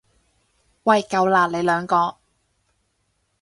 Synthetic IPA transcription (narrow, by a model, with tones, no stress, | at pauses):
wɐ˨˩jkɐ˨˧wlaː˨˩t̚le˨˧jlœː˨˧ŋkɔː˧